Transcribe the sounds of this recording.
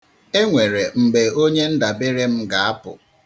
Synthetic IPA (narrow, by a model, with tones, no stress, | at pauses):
e˦ŋʷe˨ɾe˨ŋ͡m̩˨ɡ͡be˨o˦ɲe˦n̩˦da˨bɪ˦ɾe˦m̩˦ɡa˨a˦pʊ̰˨